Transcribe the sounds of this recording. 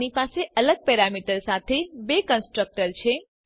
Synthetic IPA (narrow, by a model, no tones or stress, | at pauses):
nipaseələɡ̚pɛɾamiʈəɾsat̪ʰebekənsʈɾək̚ʈəɾt͡ʃʰe